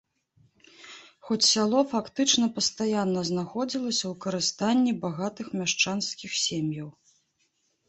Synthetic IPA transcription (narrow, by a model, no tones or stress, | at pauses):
xɔt͡sʲsʲalˠɔfakt̪ɨt͡ʂnɐpɐst̪ajanːɐznaxɔd͡zʲilˠɐsʲɐwkɐɾɨst̪anʲːibaɣat̪ɨxmʲaʂt͡ʂanskʲixsʲemʲjɐw